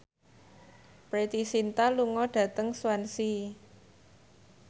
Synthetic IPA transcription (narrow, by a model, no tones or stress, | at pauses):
pɾet̪isint̪aluŋɔɖ̥ä̤t̪əŋswansi